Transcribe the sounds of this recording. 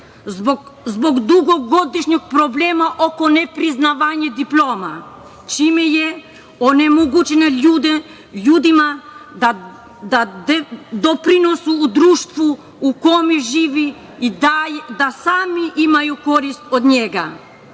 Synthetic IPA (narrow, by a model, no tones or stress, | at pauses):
zboɡd̪uɡoɡod̪iʃɲɔk̚pɾoblɛmaʔokonɛpɾiznaʋaɲɛd̪iploma | t͡ʃimɛjɛ | onɛmoɡut͡ʃɛnɛud̪ | ʎud̪imaa | d̪ad̪d̪opɾinosuːd̪ɾuʃt̪ʋu | ukomiʒiːʋi | iajd̪asaːmiʔimajukoɾist̪od̪ɲeɡa̰